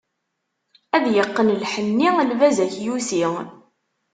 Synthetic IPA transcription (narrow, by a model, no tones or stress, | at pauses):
æðjəqːənlħənːilvæzæçjusiʁ